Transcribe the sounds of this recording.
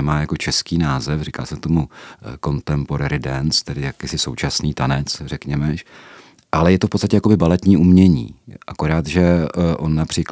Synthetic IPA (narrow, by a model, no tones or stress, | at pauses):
ɛmaːjako̞t͡ʃɛskiːnaːzɛfrika̰ːsɛt̪omuko̞nt̪ɛmpoɾɛɾɪdɛnst̪ɛdɪjakiːsɪso̞wt͡ʃasniːt̪anɛt͡srɛkɲɛmɛʃ | ʔalɛjɛt̪ofpott͡sst̪acɛjako̞bɪbalɛt̪ɲiːʔumɲɛɲḭːʔako̞ɾaːt̪ʒɛʔonːapr̥iːk